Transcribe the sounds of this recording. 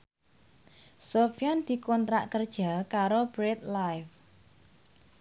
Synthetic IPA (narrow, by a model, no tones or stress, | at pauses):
sofijand̪̥i̤kɔnt̪ɾa̰ʔkərd̥ʒ̥a̤kaɾob̥ɾet̪̚lajf